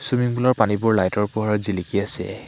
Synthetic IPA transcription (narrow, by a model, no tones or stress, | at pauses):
sumiŋbulɔɹpanibʊɹlajtɔɹpʊɦaɹɔzilikiasɛ̰